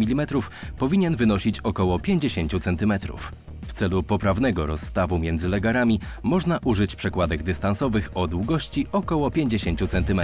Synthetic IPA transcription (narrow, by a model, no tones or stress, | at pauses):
mʲilʲimɛt̪ɾuf | pɔvʲiɲɛnvɘnɔɕit͡ɕɔkɔwɔpʲjeɲd͡ʑeɕeɲt͡ɕut̪sɛnt̪ɘmɛt̪ɾṵf | ft̪sɛlupɔpɾavnɛɡɔɾɔsːt̪avumʲjɛnd̪zɘlɛɡaɾamʲimɔʐnaʔuʐɘt͡ɕpʂɛkwad̪ɛɡd̪ɘst̪ansɔvɘxɔd̪wuɡɔɕt͡ɕiʔɔkɔwɔpʲjeɲd͡ʑeɕeɲt͡ɕut̪sɛnt̪ɘmɛ